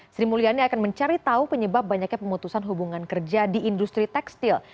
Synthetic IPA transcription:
sɾimulianiakanməɲt͡ʃaɾit̪aupəɲəbap̚baɲak̚ɲapəmut̪usanɦubuŋankərd͡ʒadiʔːndust̪ɾit̪ɛkst̪il

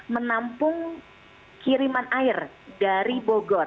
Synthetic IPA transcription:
mənampʊŋ | kiɾimanaɪr | daɾiboɡɔr

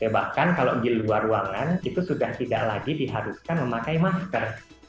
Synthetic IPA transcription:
tebahkankalo̰ʔɡiluaruaŋanit̪usudaht̪ida̰ʔlaɡidiɦaɾuskanməmakajmask̪ər

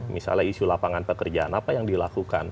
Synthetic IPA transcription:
misa̰laiʃulapaŋanpəkərd͡ʒaanapajaŋdilakuka̰n

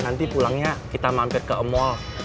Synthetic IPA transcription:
nant̪ipulaŋɲakit̪amampɪr̚kəʔəmɔl

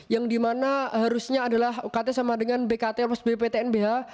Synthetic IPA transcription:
jaŋdimanaɦaɾusɲaːdalahkat̪ɛsamadəŋanbekat̪eɔpasbepet̪eɛnbeɦa

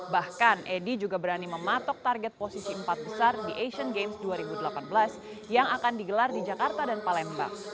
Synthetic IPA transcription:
bahkanʔedid͡ʒuɡabəɾaniməmat̪ɔk̚t̪arɡɛt̪̚posisiəmpat̪̚bəsardiʔeʃənɡemsduaɾibudəlapanbəlas | jaŋakandiɡəlardid͡ʒakart̪adanpalɛmba̰

